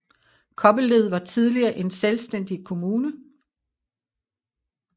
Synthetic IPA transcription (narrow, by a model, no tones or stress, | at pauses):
kʰɒ̽b̥əle̝ð̞̰ˠʋɑ̈t͡sʰiðˠliɐːʔe̝nselsd̥en̰d̥ikʰo̝muːnə